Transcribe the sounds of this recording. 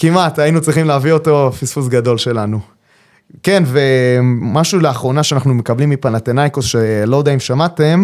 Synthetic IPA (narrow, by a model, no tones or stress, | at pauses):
kimatainut͡sʁiχimleavio̞to̞fisfusɡado̞lʃe̞lanu | ke̞nve̞maʃuleaχʁo̞naʃeanaχnume̞kablimːipanlat̪enajkosʃelo̞daimʃamate̞m